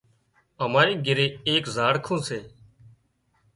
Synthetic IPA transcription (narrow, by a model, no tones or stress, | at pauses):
əmaːɾĩːɡʱɪɾeːeːkzaːɽkʰõːseː